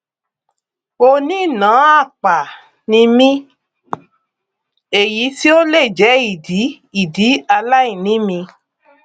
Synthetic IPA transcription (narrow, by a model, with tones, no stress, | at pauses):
o˧nĩ˦˨nã˨˦a˦˨k͡pa˨ | nĩ˧mĩ˦ | e˨ji˨˦ti˦o˦le˦˨d͡ʒɛ˨˦i˦˨di˨˦ | i˨di˨˦a˧la˦ĩ˦˨nĩ˦mĩ˧